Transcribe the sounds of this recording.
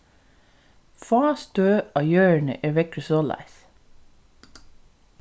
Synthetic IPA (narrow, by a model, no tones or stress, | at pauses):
fɑːst̪øːɑjøːəɳə̰ʔeːʋɛkɹəsoːlɑ̰ɪs